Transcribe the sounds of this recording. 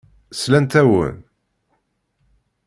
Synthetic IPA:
slænt̪æwə̰n

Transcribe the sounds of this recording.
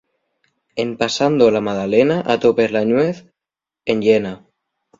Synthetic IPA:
empasand̪olamað̞alenaʔat̪opezlaɲweθ | enʎena

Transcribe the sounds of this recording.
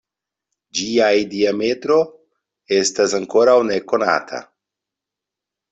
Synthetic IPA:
d͡ʒiajdiame̞tɾo̞ | e̞stasaŋko̞ɾawne̞ko̞na̰tʰa̰

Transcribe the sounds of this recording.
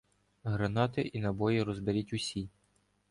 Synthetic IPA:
ɦɾɐnɑt̪ɪʔinɐbɔjiɾɔzbeɾʲitʲʊsʲi

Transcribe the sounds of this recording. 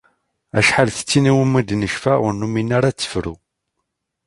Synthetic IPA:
æ̰ʃħalθə̥t͡sːiniwumːid̪nəʃfæənːuminːaɾat͡sːə̥fɾṵ

